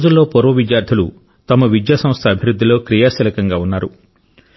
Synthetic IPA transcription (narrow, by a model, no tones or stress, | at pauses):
d͡ʒulːo̞ːpɔɾʋɐʋid͡ʒjaːɾd̪ʰʱɐlu | t̪ɐmɐʋid̪jaːsɐ̃mst̪ʰɐɐbʱiɾud̪ʱːilo̞ːkɾijaːsiːlɐkɐŋɡaːunːaːɾu